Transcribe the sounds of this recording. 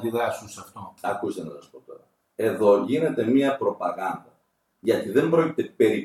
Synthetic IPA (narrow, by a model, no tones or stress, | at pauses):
d̪iðɾɐsunsɐft̪oɐkust̪enɐsɐspo̞t̪o̞ɾɐ | e̞ðo̞ʝine̞t̪e̞miɐpɾo̞pɐɣɐnd̪ɐ | ʝɐt̪iðe̞mbɾoci̥t̪e̞pe̞ɾi